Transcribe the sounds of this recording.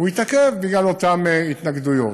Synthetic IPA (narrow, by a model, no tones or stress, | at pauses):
uit̪akevbiɡlalot̪ameit̪naɡd̪ujo̰